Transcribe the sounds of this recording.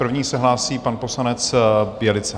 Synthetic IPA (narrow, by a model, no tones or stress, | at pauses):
r̩vɲiːsɛɦlaːsiːpanpo̞slanɛt͡sbjɛlɪt͡sɛ